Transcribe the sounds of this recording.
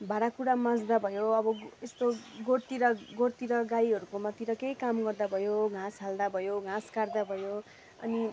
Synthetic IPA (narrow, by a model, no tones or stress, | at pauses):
bʱaɽakuɾamãd͡zd̪abʱʌjoʌbʌest̪oɡort̪iɾʌɡort̪iɾʌɡaiʌɾukomat̪iɾʌkejkamɡʌrd̪abʱʌjoɡʱãsɦald̪abʱʌjoɡʱãskard̪abʱʌjo | ʌ̰ni